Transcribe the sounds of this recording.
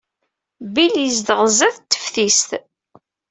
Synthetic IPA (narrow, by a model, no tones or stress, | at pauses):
biləzd̪əʁzæθt̪ːə̥fθist̪